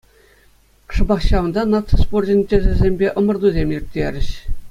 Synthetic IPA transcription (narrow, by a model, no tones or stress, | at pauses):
ʂɤ̆bɑχɕɑʋɤ̆nd̪ɑnɑt͡sosporʑʲĭnʲtʲɘ̆ʒɘ̆zʲemʲbʲeʔɤ̆mɤ̆rd̪uzʲemʲjirʲt̪ʲːeɾʲɘ̆ɕ